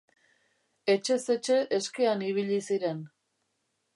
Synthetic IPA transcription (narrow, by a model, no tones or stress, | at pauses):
e̞t͡ʃe̞se̞t͡ʃe̞ʔeske̞aniβ̞iʎisiɾe̞n